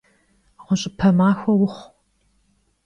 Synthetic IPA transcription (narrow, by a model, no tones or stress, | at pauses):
ʁʷʊɕʼɪpʰɐmaːxʷɐwʊχʷ